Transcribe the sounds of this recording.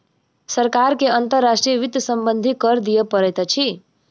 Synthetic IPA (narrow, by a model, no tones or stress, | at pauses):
səɾkaɾkeənt̪əɾːasʈɾijəʋid̪jsəmbənd̪ʱikəɾd̪ijəpəɾɛjt̪t͡ʃʰi